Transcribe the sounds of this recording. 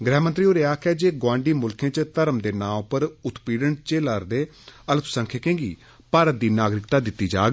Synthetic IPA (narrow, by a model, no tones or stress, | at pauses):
ɡɾɛːmə̃nt̪ɾiːoːɾeaːkʰɛːd͡ʒeːɡwãːɳɖiːmʊlkʰẽːt͡ʃt̪əɾəmd̪eːnãːpəɾʊt̪piːɽəɳt͡ʃeːlaːɾd̪eː | ələpsə̃ŋkʰeːkẽːɡiː | paːɾət̪̚d̪iːnaːɡɾɪkt̪aːd̪ɪt̪ːiːd͡ʒa̰ːɡ